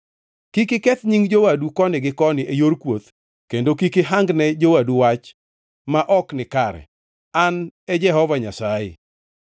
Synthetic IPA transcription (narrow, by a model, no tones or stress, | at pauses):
kikɪkɛt̪ɲiŋd͡ʒowadukɔnɪɡɪkɔnɪʔejorkwot̪ | kendokikɪɦaŋɡnɛd͡ʒowaduwat͡ʃ | maʔɔknɪkaɾɛ̰ | anɛd͡ʒɛɦɔvaɲasajɪ̰